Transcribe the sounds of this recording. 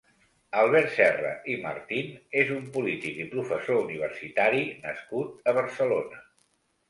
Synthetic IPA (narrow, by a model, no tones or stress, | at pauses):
əlˠβɛɾt̪sɛrə̰ʔimə̰ɾt̪inezumpulit̪ikipɾufəsouniβ̞ərsit̪aɾinəskut̪əβ̞əɾsəlonə